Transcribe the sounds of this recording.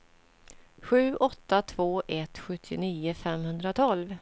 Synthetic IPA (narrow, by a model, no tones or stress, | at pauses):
ɧʉ̟ːʔɔt̪ːat̪ʰvoːʔɛt̪ɧɵt̪ʰːɪniːʊfɛmhɵnd̪ɾat̪ʰɔlv